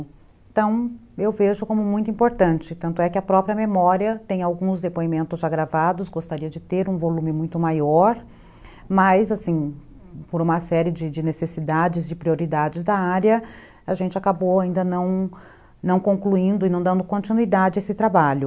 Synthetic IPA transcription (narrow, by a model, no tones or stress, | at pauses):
t̪ɐ̃w̃ewveʒʊkõmʊmũj̃t̪ʊĩpoɾt̪ɐ̃nt͡ʃɪt̪ɐ̃nt̪ʊɛkɪɐpɾɔpɾiɐmemɔɾiɐt̪ẽj̃awɡũzd̪epoimẽnt̪ʊzʒaɡɾavad̪ʊsɡost̪aɾiɐd͡ʒɪt̪eɾũvolũmɪmũj̃t̪ʊmajɔɾ | mɐzasĩ | poɾũmɐsɛɾɪd͡ʒɪd͡ʒɪnesesid̪ad͡ʒɪzd͡ʒɪpɾioɾid̪ad͡ʒɪzd̪ɐaɾjɐ | aʒẽnt͡ʃɪakabowaĩnd̪ɐnɐ̃w̃ | nɐ̃w̃kõŋkluĩnd̪ʊɪnɐ̃w̃d̪ɐ̃nd̪ʊkõnt͡ʃinuid̪ad͡ʒɪesɪt̪ɾabaʎʊ